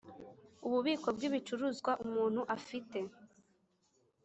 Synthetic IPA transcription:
uβuβiːko̞bɡiβit͡ʃuɾuzɡwaʔumuːn̥huʔafite̞

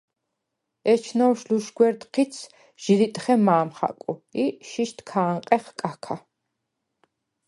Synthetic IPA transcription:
ɛt͡ʃʰnɔwʃluʃɡwɛɾd̪qʰit̪sʰ | ʒ̥ilit̪ʼχɛmaːmχa̰kʼuiʃiʃt̪ʰkʰaːɴqʼɛχkʼakʰa

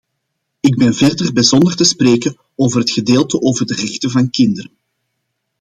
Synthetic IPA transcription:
ɪɡ̚bɛnvɛrdərbɛzɔndərtəspreːkən | oːvərɦətxədeːlˠtəʔoːvərdərɛxtəvɑnkɪndəɾən

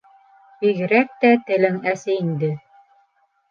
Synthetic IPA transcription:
biɣɘ̆ɾæk̚t̪æt̪ɘ̆lɘŋæsɘind̪ɘ

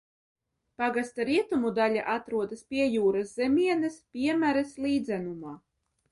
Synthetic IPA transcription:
paɡast̪aɾiɛt̪umud̪alʲa̰ʔat̪ɾuɔd̪ɐspʲiɛjuːɾaszɛmʲiɛnɛspʲiɛmæɾɛslˠiːd̪zænumaː

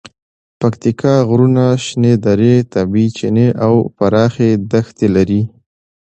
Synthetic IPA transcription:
pakt̪ikʰɑɣɾunaʃned̪aɾet̪abit͡ʃɪneʔawpaɾɑxed̪axt̪elaɾi

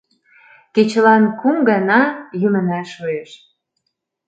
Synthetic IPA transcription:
ket͡ɕəlɑnkumɡɑnɑjymə̆næʃojeʃ

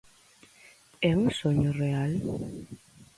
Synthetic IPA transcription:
ɛũsɔɲɔrɛal

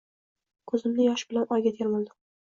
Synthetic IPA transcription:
kʰɵzɪmnɪjɒʃbɪlanɒjɡʲat̪ʰeɾmɪlˠd̪ɪ

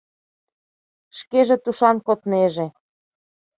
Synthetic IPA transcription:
ʃkeʒĕt̪uʃɑnkot̪neʒe

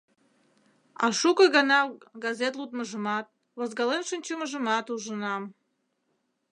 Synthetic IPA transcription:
ɑ̰ʃukə̆ɣɑnɑɡɑzet̪lˠut̪̚məʒəmɑt̪̚ | vozɡɑlenʃənʲt͡ɕuməʒə̆mɑt̪uʒənɑm

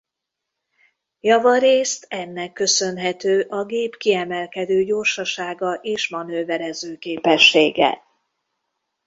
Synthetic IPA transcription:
jɒvɒɾeːst̪ɛnːɛkːø̞sø̞nɦɛt̪øːʔɒɡeːpkiɛmɛlkɛd̪øːɟoːrʃɒʃaːɡɒʔeːʃmɒnøːvɛɾɛzøːkeːpɛʃːeːɡɛ̰

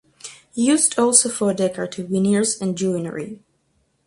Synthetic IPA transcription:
hijʉːzdɔlˠsoʊfɔɹdɛkə˞tʰɨwɪ̃niɹzɨ̃nd͡ʒũnə̰ɹḭ

